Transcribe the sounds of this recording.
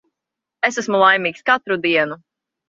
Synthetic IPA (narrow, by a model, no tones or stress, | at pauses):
esæsmulˠajmiːkskat̪ɾud̪iɛnu